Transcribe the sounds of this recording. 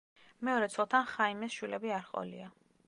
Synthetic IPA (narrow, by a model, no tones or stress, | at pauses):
mɛɔɾɛt̪sʰɔlˠt̪ʰanχaimɛsʃwilɛbiaɾχqʼɔ̰lḭa